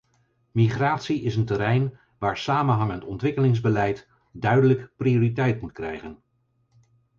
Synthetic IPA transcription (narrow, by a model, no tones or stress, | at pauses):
miχraːtsiʔɪsəntəɾɛjn | ʋaːɹsaːmənɦɑŋəntɔntʋɪkəlɪŋzbəlɛjt | dœɥdələkprioːritɛjtmutkrɛ̰jχən